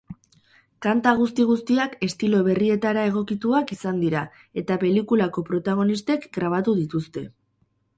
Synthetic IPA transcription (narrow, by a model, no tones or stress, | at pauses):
kant̪aɣ̞ust̪iɣ̞ust̪iake̞st̪ilo̞β̞e̞rie̞t̪aɾae̞ɣ̞o̞kit̪uakisand̪iɾa | e̞t̪ape̞likulako̞pɾo̞t̪aɣ̞o̞nist̪e̞kɡɾaβ̞at̪uðit̪ust̪e̞